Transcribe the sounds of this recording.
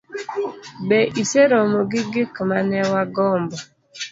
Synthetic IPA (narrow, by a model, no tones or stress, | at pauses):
bɛʔiseɾɔmoɡɪɡɪkmanɛwaɡɔmbɔ